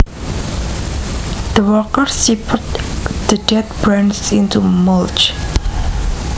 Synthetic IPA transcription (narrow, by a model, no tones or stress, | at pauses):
d̪̥əwɔkəɹsipʰʊtd̪̥ədɛt̪̚b̥ɹãnsɪ̃ntumɔlt͡ʃ